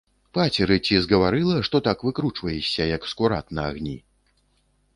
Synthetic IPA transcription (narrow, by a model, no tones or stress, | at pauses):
pat͡sʲɛɾɨt͡sʲizɣɐvaɾɨlˠɐʂt̪ɔt̪akvɨkɾut͡ʂvɐjɛsʲːɐjɐkskuɾa̰t̪nɐaɣnʲi